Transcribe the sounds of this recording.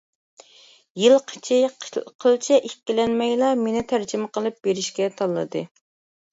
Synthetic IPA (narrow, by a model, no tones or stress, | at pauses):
jilˠqʰə̥t͡ʃʰɪqʰqʰəlˠt͡ʃʰɛʔekʲːilɛnmɛjlˠɑmenɪt̪ʰæɾd͡ʒɪmɨqʰəlˠɨp̚beɾɪʃkʲɛt̪ʰɑlˠːɨ̰d̪ɨ̰